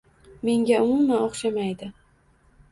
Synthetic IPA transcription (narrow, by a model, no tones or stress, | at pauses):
me̞ŋɡʲaʊmʊmːanɒχʃamajd̪ɪ